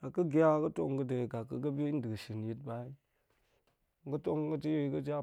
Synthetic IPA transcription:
a˨kɐ˦ɡʲa˦kɐ˦to̰˦ŋ˦ɡɐ˦de˨ɡa˨kːɐ˨kɐ˦bʲi˦n̩˦˨dɨ˨ɡʃi˨nji˨˦t̚ba˦i˦˨ | ɡɐ˦to˦ŋ˦kɐ˦ti˦jkɐ˦d͡ʒa˦

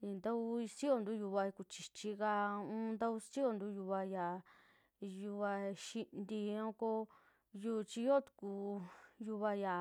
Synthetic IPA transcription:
i˧˨nd̪a˦u˧i˧si˦o˧nd̪u˦ju˧βa˧ku˧˨t͡ʃi˨t͡ʃi˧ka˧ũ˦nd̪a˦u˧si˦o˧nd̪u˦ju˧βa˧ja˨ | ju˧βa˧ʃi˧nd̪i˧õ˦ko˧ | ju˦˧t͡ʃi˧jo˦t̪u̥˧ku˧ju˧βa˧ja˨

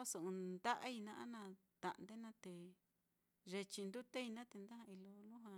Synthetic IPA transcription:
o˦so˧˨ũ˧nd̪a˦ʔa˦i˧nã˧ʔa̰˦nã˧ | t̪a˧ʔnd̪e˦nã˦t̪e˨˧ | ʐe˧t͡ʃi˧nd̪u˦t̪e˦i˧nã˦t̪e˧nd̪a˦hã˧i˧lo˧lu˦ɦwa˧

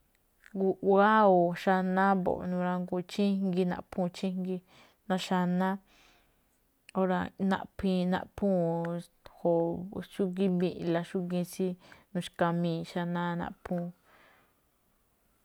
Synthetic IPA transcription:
ɡu˧wa˦o˨ʃa˧nã˦bo̰˨˧nũ˧ɾa˧ŋɡu˧t͡ʃĩ˦ŋɡi˧nã̰˧ʔpʰũ˦˨t͡ʃĩ˦ŋɡi˧ | nã˧ʃa˧nã˦ | o˦ɾa˧nã̰˦˧ʔpʰĩ˧nã̰˧ʔpʰũ˦ | ho˧ʃu˦ɡi˦bĩ˦˧ʔla˧ʃu˦ɡĩ˧si˦nũ˧ʃka˧mĩː˧˨ʃa˧nã˦nã̰˧pʰũ˦˧

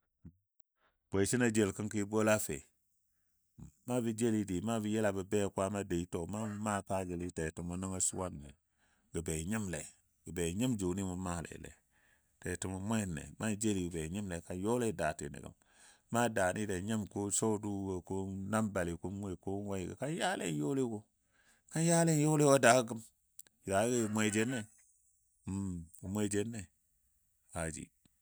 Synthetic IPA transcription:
b̥o˨i˨si˦na˦d͡ʒe˨lki˦nki˦bo˦la˦fḛ˨ | ma˦bi˦d͡ʒe˦li˦di˨ma˦bi˦je˦la˨bə˨be˦˨kwa˦ma˦de˨i˦to˦ma˦ma˦pa˦ɡi˨li˦te˨tu˨mu˨nə˦ŋa˦sṵ˦wa˦nːḛ˨ | ɡə˨be˨ɲi˦mlḛ˨ | ɡə˨be˨ɲi˦md͡ʒu˨ni˦mu˨ma˦˨lḛ˨lḛ˨ | te˨tu˨mu˨˦mʷ˦e˦˨nːḛ˨ma˦d͡ʒe˦li˨ɡbe˨ɲi˦mle˨ka˨jo˦le˦˨da˨tḭ˨nḭ˨ɡə̰˦m | ma˦da˨ni˦da˨ɲi˦mko˦so˦du˦wo˨ko˦na˦mba˨li˨ku˦mwe˦˨ko˦wa˦i˨ɡə̰˨ka˦nja˦lḛ˦jo˦li˦ko˦ | ka˦nja˦le˦n˦jo˦li˦wo˦da˨˦ɡə˦ɡə˦m | i˨da˨˦ɡi˦˨mʷe˨i˨d͡ʒe˦nːe˦˨ | ɡə˨mʷe˦˨d͡ʒe˦nːe˨ | ha˨d͡ʒḭ˨

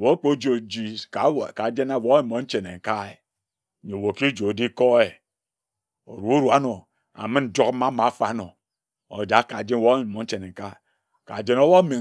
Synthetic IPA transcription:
wo˨˦k͡po˦d͡ʒo˨d͡ʒi˨ka˨ka˨d͡ʒe˦na˦˨wo˨˦i˦˨mo˨˦n̩˦t͡ʃe˨ne˨ŋ̩˨ka˦e˨ | ɲe˨wo˨ki˦d͡ʒo˨di˦ko˦e˨ | o̰˨ɾu˨˦u˦ɾu˨a˦no˨ | a̰˨mɨ˦n̩˨d͡ʒo˦k̩˦ma˦ma˨˦fa˨˦no˨ | o̰˨d͡ʒa˨˦ka˨d͡ʒe˦n˦wo˦i˨mo˨˦n̩˦t͡ʃe˨ne˨ŋ̩˨ka˦˨ | ka˨d͡ʒe˦no˦wo˦mi˨

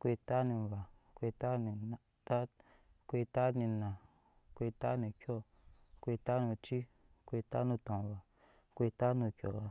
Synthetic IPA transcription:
kʷe˧ta˦ni˧˨va˨ | kʷe˧ta˦ni˨n | ta˦ | kʷe˧ta˦ni˧nã˨ | kʷe˧ta˦nĩ˧kʲɔ˦ | kʷe˧ta˦nu˧t͡ʃi˦ | kʷe˧ta˦nu˧tõ˨va˨ | kʷe˧ta˦nu˧kʲɔ˨a˨

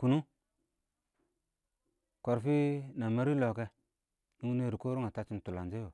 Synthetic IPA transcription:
ku˨nu˦ | ko˨ɾfi˦na˨ma˦ɾi˦lo˨ke˦ | nu˦ne˦˨ɾi˨ko˦ɾo˦ŋa˨ta˦t͡ʃi˦n˨tu˨la˨nd͡ʒe˦jo˨

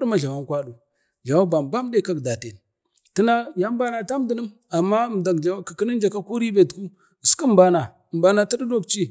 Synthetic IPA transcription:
dma˦ɮa˨wa˦ŋkʷa˦ɗu˨ | ɮa˨wa˦ba˨m˨ba˦m˦de˦ka˦kda˨te˨n | ti˦na˦ja˦m˦ba˦na˨ta˦m˦di˨nə˦m | a˨mːa˦m˨da˨ɡa˨˦ki˨ki˦nə˦n˦d͡ʒa˨ka˦ku˦ɾi˦be˨tku˦˨ | skə˦m˦ba˨na˨ | m˨ba˨na˨ta˦di˦do˦kt͡ʃi˦

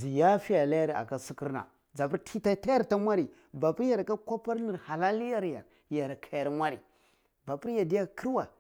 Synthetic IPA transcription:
zi˨ja˦fi˦ja˨la˦ja˦ɾa̰˨ka˦si˦ki˦ɾna̰˨ | d͡za˨pu˦tʰi˦ta˦ta˦ja˦ɾta˦mʷa˦ɾi˨ | ba˨pu˦ɾja˨ɾka˦kʷa˦pa˦ɾni˨ɾha˨la˦li˦ja˦ɾja̰˨ɾ | ja˨ɾkʰa˨ja˨ɾmʷa˦ɾḭ˨ | ba˨pi˦ɾja˨di˦ja˦˨ki˦ɾwa˨

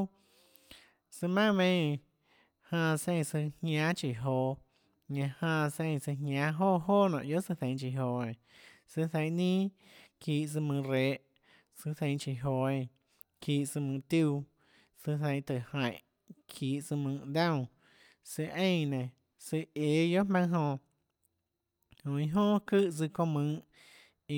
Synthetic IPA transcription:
sɨ˧mã˦mẽ˧˦˧ | hãː˧sẽ˧˨˧sɨ˧hɲʲã˦t͡ʃi˨ɦoː˧˨ | ɲã˧hãː˧sẽ˧˨˧sɨ˧ɦɲʲã˧˦ɦoː˦˨ɦoː˦˨nã̰˨ʔjo˦sɨ˧θẽ˧ŋ̃˧t͡ʃi˨ɦo˧˨ẽ˧˨ | sɨ˧θẽ˧˨˦nĩː˦ | kiː˧˨sɨ˧mɨ̃˧ɾeː˨˧˦ʔ | sɨ˧θẽ˧˦t͡ʃi˨ɦo˧˨ẽ˧˨ | kiː˧˨ʔsɨ˧mɨ̃ː˧t̪juː˦˧˨ | sɨ˧θẽ˧j̃t̪ɨ˨hã˧˨j̃ʔ | kʰiː˧˦ʔsɨ˧mɨ̃ː˧˨d̪ã˦˨ | sɨ˧ʔẽ˦˧jnẽ˨ | sɨ˧e˨jo˦mã˦ɦõ˧ | hõ˨ĩ˧ɦõ˦kɨ˦t͡sɨ˧kõ˧mɨ̃˧˦ | i˧

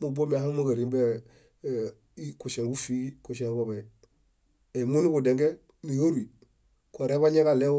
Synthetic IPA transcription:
mu˨bo˦mia˨ha˦ŋma˦ɡa˨ɾi˨mbe | kuʃe˨ŋɡu˦fi˦ku˨ʃ̬e˦ŋbo˨be˨ | e˨mu˦ni˦ku˨deŋɡe˦ | ni˨ho˦ɾi˨ | ko˨ɾe˦βa˦ɲe˦kale˦

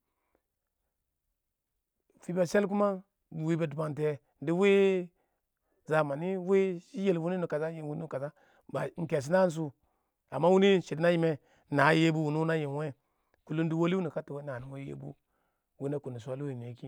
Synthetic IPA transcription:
fi˦ba˨se˦lk̬u˦ma˦ | bu˨wi˦be˨d̬ba˨nte˨˦ | di˦we˦ | za˨ma˨ni˦we˦ʃi˦je˨lvu˦ni˦nu˨ka˨za˦ji˨wu˦ni˦u˨ka˨za˦ | ba˨ŋ̩˨ke˨s̬i˦na˦n˦s̬u˦ | a˨mːa˦wu˦ni˦ʃi˨dna˦ji˦me˨ | na˨˦je˦bu˦wu˨nu˦na˦ji˨n˨we˦˨ | ku˨lu˦n˦di˦wo˦li˦u˦ni˨ka˦tu˨we˦na˨ni˨we˦jḛ˦bṵ˦ | wi˦na˦ku˨ni˨sa˦lu˦i˨n˨e˨˦ki˦

